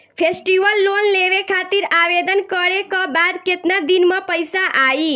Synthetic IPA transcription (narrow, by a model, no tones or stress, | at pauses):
pʰesʈiʋəlːonleʋekʰat̪iɾabed̪ənkəɾekɔbad̪ket̪nad̪inmʌpəjsaʔai